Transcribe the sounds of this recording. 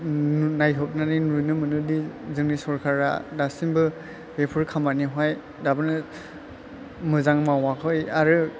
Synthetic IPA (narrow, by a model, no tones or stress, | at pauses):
najɦɔp̚naninunɯmɯnɯdizɯŋnisɔɾkʰaɾa̰dasimbɯ | bepʰɯɹkʰamaniɦaj | dabɯnɯ | mɯzaŋmawakʰɯjaɾɯ